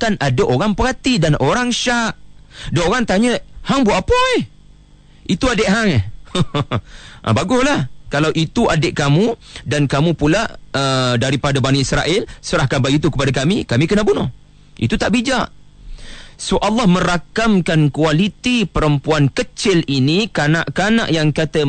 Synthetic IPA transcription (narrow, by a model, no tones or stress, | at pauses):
kanʔadaʔoɾaŋpəɦat̪idanoɾaŋʃaʔdaʔoɾaŋt̪aɲəʔhaŋbwaʔapəe | ʔit̪uadɪʔɦaŋɛ | ʔbaɡʊslahkalawʔit̪uʔadɪʔkamũdankamũpulaʔədaɾipadabaniisɾaʔɪlsəɾahkanbaɡit̪̬ukəpadakamikamĩkənaʔbunʊh | ʔḭt̪ut̪aʔbid͡ʒaʔ | soʔalːɑhmə̃ɾakamkankualit̪ipəɾəmpuankət͡ʃɪlinikanaʔkana̰ʔjaŋkat̪ə